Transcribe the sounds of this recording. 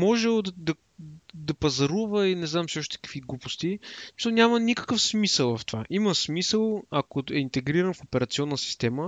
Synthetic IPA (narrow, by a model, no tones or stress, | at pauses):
mɔʒɛod̪ɐd̪ɐ | d̪ɐpɐzɐɾuvəinɛznamsiɔʃt̪ɛ̥kə̥kviɡlˠupost̪ismi̥səlˠnʲamənikə̥kəfsmisəlˠvɐft̪ova̰ʔiməsmisəlˠɐkoɛint̪ɛɡɾiɾənfopɛɾɐt̪siɔnːəsi̥st̪ɛmə